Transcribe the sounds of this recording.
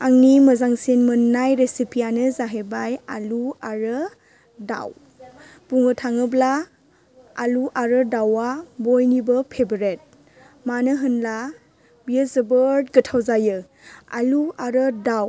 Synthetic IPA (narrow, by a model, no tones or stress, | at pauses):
aŋniməzaŋsenmɯnːajɾesipʰijanɯzaɦebaja̰luaɾɯ | da̰w | b̥uŋɯtʰaŋɯblaː | luʔaɾɯdawabojnibɯpʰebɾet̚ | manɯɦɯnla | biəzəbəɾdɡətʰawzajɯ | a̰luaɾɯdaw